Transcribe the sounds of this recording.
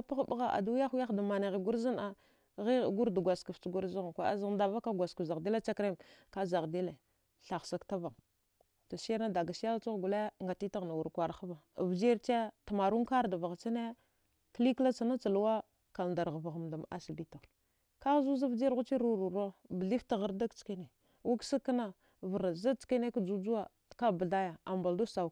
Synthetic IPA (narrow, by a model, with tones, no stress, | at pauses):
a˦pa˦ɣba˦ɣa˨ʔa̰˨du˦a˦xu˦ja˦xda˨ma˨na˨ɣi˨ɡu˦ɾzi˦na˨ | ɣi˦˨ɡu˦ɾda˨ɡʷa˨ska˨ft͡ʃɡu˦ɾzi˦ɣkʷa˨˦a̰˦za˦da˨va˦ka˦ɡʷa˨ska˨za˨ɣdi˦la˦t͡ʃa˦kɾe˦mka˦za˨ɣdi˦le˨ | ɬa˨xsa˦kta˦va˨ŋ | ta˨sɾna˦da˨ɡa˨si˦a˦t͡sa˦ɣɡu˨le˦ŋɡa˨ti˦ta˦ɣna˨wu˨ɾkʷa˨ɾxa˦va˨vd͡ʒi˦ɾt͡ʃe˦ta˨ma˨ɾu˦ŋka˦ɾda˨va˨ɣa˨t͡sa˦ne˦ | kli˦kla˦t͡sa˨na˦t͡sa˨lu˦wa˦ | ka˨nda˨ɾɣva˨ɣa˨mda˨ma̰˨si˨bi˦ta˨ | ka˦ɣzu˦za˦vd͡ʒɣu˦t͡ʃi˦ɾu˨ɾu˨ɾo˦bə˨ɮi˦fta˨ɣa˨ɾda˦kt͡ʃke˦ne˨ | wa˦ksa˦kːa˦na˦ | və˨ɾa˨za˦t͡ʃke˦ne˦ka˦d͡ʒu˦d͡ʒu˦wa˦ | ka˦bə˨a˦ja˨a˨mba˨ldu˦sa˨